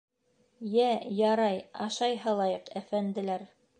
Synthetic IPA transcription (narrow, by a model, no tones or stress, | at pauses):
jæjɑɾɑjɑʃɑjɦɤlˠɑjɤqæfænd̪ɘ̆læɾ